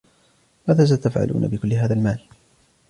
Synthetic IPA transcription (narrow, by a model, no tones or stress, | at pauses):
maːðaːs̬at̪afʕa̰lʔṵːna̰bɪkʊlːɪɦaːðalmaːl